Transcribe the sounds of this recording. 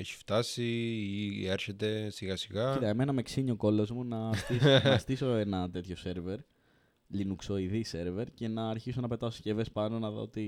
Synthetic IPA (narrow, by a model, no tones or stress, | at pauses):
eçi̥ft̪ɐsiieɾçet̪e̞siɣɐsiɣɐit̪ɐemenɐme̞ksiɲio̞ko̞lo̞zmunɐst̪isnɐst̪iso̞e̞nɐt̪e̞t̪ço̞se̞ɾve̞ɾ | linukso̞iðise̞ɾve̞ɾce̞nɐːɾçiso̞nɐpe̞t̪ɐso̥sce̞ve̞spɐno̞nɐðo̰ot̪i